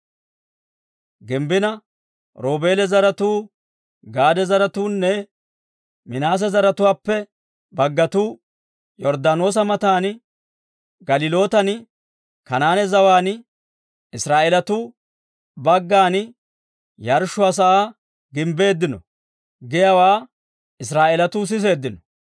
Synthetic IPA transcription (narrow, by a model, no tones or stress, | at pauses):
ɡɪmbɪnɐ | ɾo̞ːbe̞ːlɛzɐɾɐt̪uː | ɡaːd̪ɛzɐɾɐt̪uːnːɛ | mɪnaːs̬ɛzɐɾɐt̪ʊwaːpːɛ | bɐɡːɐt̪uː | jɔɾd̪aːno̞ːs̬ɐmɐt̪aːn | ɡɐlɪlo̞ːt̪ɐn | kɐnaːnɛzɐwaːn | ɪsɾaːʔeːlɐt̪u | bɐɡːaːn | jɐɾʃʊɐs̬ɐʔaː | ɡɪmbe̞ːd̪ːɪnɔ̰ | ɡɪjawaː | ɪsɾaːʔeːlɐt̪ʊs̬ɪs̬e̞ːd̪ːɪnɔ